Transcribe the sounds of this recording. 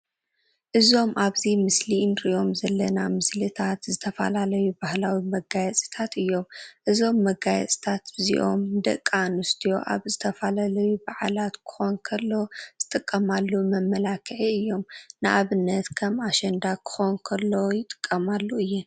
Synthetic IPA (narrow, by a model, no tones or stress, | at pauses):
ʔɨzo̞mʔaβzimɨslinɾiʔo̞mzɐlːɐnamɨslɨt̪ʰat̪zɨt̪ʰɐfɐ̰lalɐjubahlawimɐɡajɛt͡sʼi̥t̪ʰat̪ɨjːo̞mʔɨzo̞mːɐɡajɛ̰t͡sʼi̥t̪ʰat̪bɨzḭʔo̞̰md̪ɐ̰kʼːanust̪ʰijo̞̰ʔa̰βzɨt̪ʰɐfalalɐjubaʕalat̪kʰɨ̥xonkʰɐlːo̞z̥ɨt̪ʼɨkʼːɐmalːumɐmːɐlakʰɨʕiɨjːo̞mnɨʔaβɨnːɐt̪kʰɐmaʃɐnd̪akʰɨ̥xonkʰɐlːojɪt̪ʼɨ̥kʼːɐmalːuɨjːɛn